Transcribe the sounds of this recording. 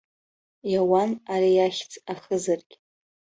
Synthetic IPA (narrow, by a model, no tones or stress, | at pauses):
jawanaɾijaχʲt͡sʼaχəzarɡʲʼ